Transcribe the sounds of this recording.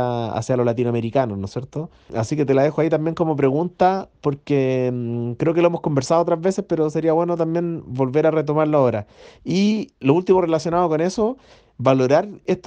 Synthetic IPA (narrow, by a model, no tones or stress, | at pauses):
aa̰sjalolat̪̬inwameɾikanosnosje̞ɾt̪o | a̰sike̞t̪e̞laðexoait̪ambje̞ŋkomo̞p̬ɾe̞ɣunt̪apoɾke | kɾe̞ok̬eloemoko̞mbeɾsaðoot̪ɾazβe̞sespe̞ɾose̞ɾiaβwenot̪ambje̞nbo̞lve̞ɾaret̪̬o̞maɾlaoɾailoult̪imore̞lasjo̞naðokone̞so | βalo̞ɾaɾet̪